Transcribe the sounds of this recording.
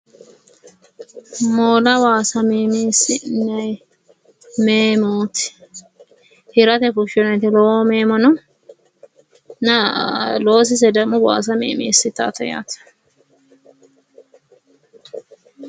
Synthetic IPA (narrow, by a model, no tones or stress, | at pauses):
moːlɐwaːsɐmiːmiːsɪnɐj | meːmuːt̪ɪ̥ | hɪɾɐt̪ɛfʊʃɔnɛt̪ɪlɔomeːmɐnɐ | nɐloːs̬ɪs̬ɛd̪ɐmʊwa̰ːs̬ɐmḛːmiːsːɪt̪ːa̰ːt̪ɐja̰ːt̪